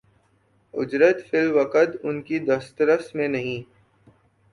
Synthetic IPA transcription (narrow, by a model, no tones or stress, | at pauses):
ʊd͡ʒɾət̪fɪlʋɐqət̪ʊnkid̪ɐst̪ɾəst̪mẽnɐɦĩː